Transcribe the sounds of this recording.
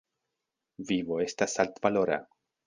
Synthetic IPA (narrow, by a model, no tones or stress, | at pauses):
vivo̞e̞stasalt̪valo̞ɾa̰